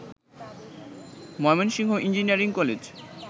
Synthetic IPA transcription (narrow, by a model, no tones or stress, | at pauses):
mɔmenʃiŋɦoʔind͡ʑiniaɾiŋkɔled͡ʑ